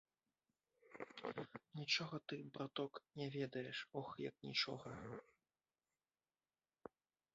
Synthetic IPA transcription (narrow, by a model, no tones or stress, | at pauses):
nʲit͡ʂɔɣɐt̪ɨbɾat̪ɔknʲɛvʲɛd̪ɐjɛʂɔxjɐ̰knʲḭt͡ʂɔ̰ɣɐ